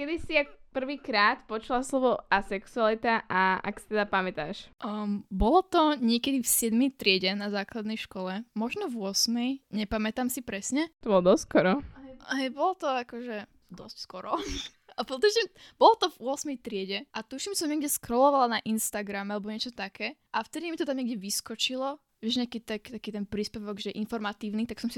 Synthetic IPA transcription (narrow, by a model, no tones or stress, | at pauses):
kɛd̪isiakpr̩ʋiːkɾaːt̪pɔt͡ʃulaslɔʋɔasɛksualit̪aʔaa̰ksi̥t̪ɛd̪apamɛt̪aːʃʔbɔlɔt̪ɔɲɪɛkɛd̪ifsɪɛd̪mɛjt̪ɾɪɛɟɛnazaːklad̪nɛjʃkɔlɛmɔʒnɔvʊɔsmɛjɲɛpamɛt̪amsipɾɛsɲɛt̪ɔbɔlɔd̪ɔskɔɾɔɦɛjbɔlɔt̪ɔakɔʒɛ | d̪ɔscskɔɾɔ | apɔt̪uʃimbɔlɔt̪ɔvʊɔsmɛjt̪ɾɪɛɟɛʔat̪uʃimt͡ʃɛs̬ɔmɲɛɡɟɛskɾɔlɔʋalanaʔinst̪aɡɾamɛalɛbɔɲɪɛt͡ʃɔt̪akʰɛːʔaft̪ɛd̪imit̪ɔt̪amɲɛɡɟɛʋiskɔt͡ʃilɔ | ɛʒɲɛakit̪akt̪akiːt̪ɛnpɾiːspɛʋɔɡʒɛʔinfɔɾmat̪iːʊnit̪aksɔmsi